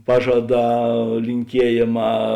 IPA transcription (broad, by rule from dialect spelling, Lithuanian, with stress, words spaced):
ˈpɑːʒɐˌdɑː lʲɪŋʲˈkʲiɛjeːˌmɑː